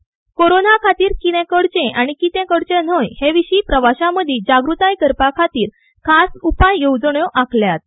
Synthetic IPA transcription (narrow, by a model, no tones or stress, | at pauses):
koɾonakʰat̪iːɾkinɛ̃kəɽt͡ɕẽʔaɽ̃ikit̪ɛ̃kəɽt͡ɕẽn̤əjheʋiɕiːpɾəʋaɕãməd̪ʱid͡ʑaɡɾut̪ajkəɾpakʰat̪iːɾ | kʰasupajːowd͡zɳjoʔakʰljat̪̚